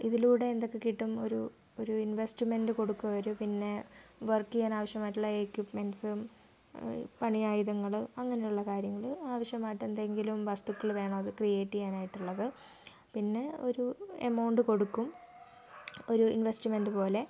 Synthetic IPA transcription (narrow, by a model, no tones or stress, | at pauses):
iðiluːɽe̞end̪o̞kːekiʈːumo̞̰ɾu | oɾuinʋesʈimendɨko̞ɽukːuʋɐɾupinːe̞ | ʋɐrkːijaːnaːʋɐɕjɐmaːjiʈːuɭːɐekːjupmensɨ | pɐɳijaːjiðɐŋːɐɭɨɐŋːɐne̞juɭːɐkaːɾjɐŋːɐɭaːʋɐɕjɐmaːjiʈːend̪eeŋɡilumʋɐst̪ukːɐɭʋe̞ːɳɐmɐðɨkrijeːʈːijaːnaːjiʈːuɭːɐðɨ | pinːe̞o̞ɾuḛmɐwɳɖɨko̞ɽukːum | o̞ɾuḭnʋestimendɨpo̞ːle̞